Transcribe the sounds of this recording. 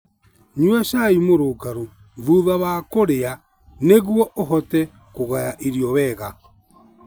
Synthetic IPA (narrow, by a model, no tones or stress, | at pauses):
ɲwɛʃaimoɾoɡaɾo | ðuðaβaːkoɾea | neɣwɔʔoɦɔtɛ | koɣajaʔiɾjɔβɛːɣa